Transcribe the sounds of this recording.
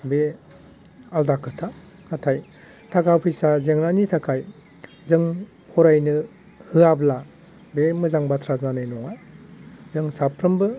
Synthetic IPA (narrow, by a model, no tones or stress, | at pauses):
be | aldakʰɯtʰa | katʰaj | tʰakʰapʰɯjsazeŋɾanitʰakʰaj | zɯŋ | pʰɔɾajnɯ | hɯabla | bemɯzaŋbatʰɾazanɯjnɔŋa | zɯŋsapʰɾɯmbɯ